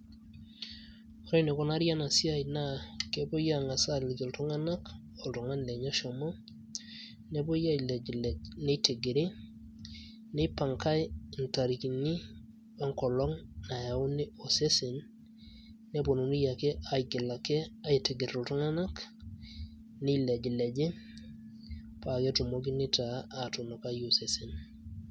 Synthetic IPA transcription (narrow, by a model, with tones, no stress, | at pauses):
o˨ɾe˦ne˨kɔ˨na˦ɾja˦na˨si˦a˦jna˦ke˦bo˦ja˦˨ŋa˨sa˦˨lɪ˨ɡɪ˨ltu˦ŋa˦na˦k | ɔ˨lto˨ŋa˦n˨le˨ɲa˦ʃɔ˨mɔ˦ | ne˦bo˦ja˦i˨le˨lne˦te˨ɡe˨ɾe˦ | ne˦pa˨ŋka˦jnta˨ɾi˨ki˨ni˦ | ɔ˦ŋkɔ˨lɔ˦ŋna˨ja˨u˦ni˦o˨se˦sinː | e˦bo˨nu˨ni˦ja˨ke˦ʔa˨iɡɪ˨la˨kɛ˦a˦i˨ti˨ɡɪ˨ɾo˨tu˦ŋa˦na˦k | ni˦le˨d͡ʒi˨le˨d͡ʒe˦ | pa˨ke˦tu˨mo˦k̬i˦nɪ˦taː˨to˨no˨ka˦jo˨se˨sin